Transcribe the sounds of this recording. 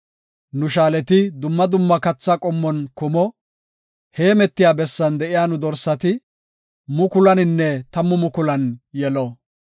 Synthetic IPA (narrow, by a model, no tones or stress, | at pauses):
nʊʃaːlɛt̪ɪd̪ʊmːɐd̪ʊmːɐkɐt͡sːɐkʼɔmːɔnkʊmɔ | he̞ːmɛt̪ːɪjaːbɛsːɐnd̪ɛʔɪjaːnʊd̪ɔɾsɐt̪ɪ | mʊkʊlɐnɪnːɛt̪ɐmːʊmʊkʊlɐnjɛlɔ